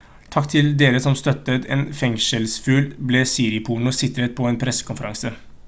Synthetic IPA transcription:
t̪ʰɑkːt̪ʰɪld̪eːɾəsɔmst̪œt̪ːət̪eːnfɛŋʂəlsfʉːlbleːsiːɾɪpʰuːɳʊsɪt̪ɾət̪̚pʰɔɛːnpʰɾɛsːə̥kʊnfəɾɑŋsə

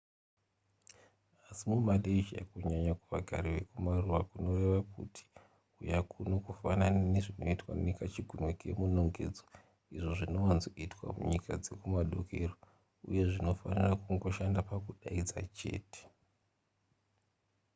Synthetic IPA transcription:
asimumaɗeit͡ʃa̰kuɲaɲakuʋaɡʱaɾiʋe̞kumaruʋakuno̞re̞ʋakṵtʰi̥ | ujakʰunokufananineʐino̞̰itwa̰nekat͡ʃiɡʱunokiḛmunoŋɡe̞̰ːd͡zo | iʐo̞ʐino̞wanzoitwa̰mṵɲikad͡ze̞kumaɗokʰero | ṵje̞ʐino̞fanirakuŋɡo̞ʃandapakuɗaid͡za̰t͡ʃe̞̰ːte̥

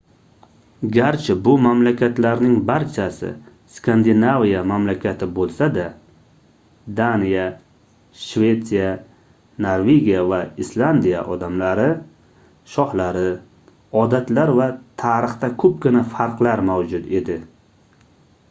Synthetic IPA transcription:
ɡʲaɾt͡ʃʰɪbʊmamlakʲat̪laɾnɪŋbaɾt͡ʃʰasɪ̰ | skʰand̪ɪnavijamamlakʲʰat̪ʰɪbolˠsad̪a | d̪anija | ʃve̞t̪sija | naɾve̞ɡʲijavaislˠand̪ija̰ʔɒd̪amlaɾɪ | ʃɒhlaɾɪ | ɒd̪at̪laɾvat̪ʰaɾɨχt̪akʰɵp̚kʲɪnafaɾqlaɾmawd͡ʒʊt̪e̞d̪ɪ

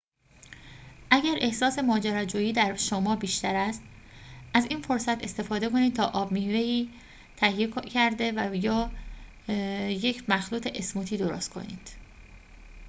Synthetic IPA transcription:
ʔæɟæɾʔe̞hsɒːse̞mɒːd͡ʒæɾɒːd͡ʒuːjiːd̪æɾʃomɒːbiːʃt̪æɾæst̪ | ʔæziːnfo̞ɾsæt̪ʰe̞st̪e̞fɒːd̪e̞ko̞niːd̪̚t̪ʰɒːʔɒːbmihve̞iː | t̪ʰæhijecʰæɾd̪e̞væjɒː | je̞cʰmæxluːt̪ʰeʔesmuːt̪ʰiːd̪oɾo̰ːst̪kʰo̞̰nḭːd̪̥

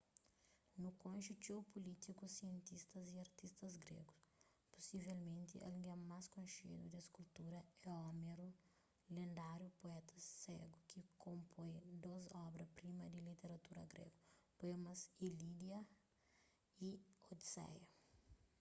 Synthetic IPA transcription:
nukõnʃut͡ʃ̪ewpulit̪ikusiẽnt̪ist̪ɐziɐɾt̪ist̪ɐzɡɾḛɡus | pu̥sivɛlmẽnt̪iʔɛ̰lŋɡɛmaskõʃḛd̪ud̪eskult̪uɾɐɛɔmeɾu | lẽnd̪aɾjupoɛt̪ʰɐsɛɡukikʰõmpʰõjd̪ozɔbɾɐpɾimɐd̪ilit̪eɾɐt̪uɾɐ̰ɡɾḛɡupoemɐsilid̪jɐ | iod̪isɛ̰jɐ

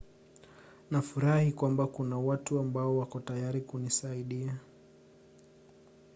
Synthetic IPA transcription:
nafuɾahikwambakunawatuambaɔwakɔtajaɾikunisaiɗia

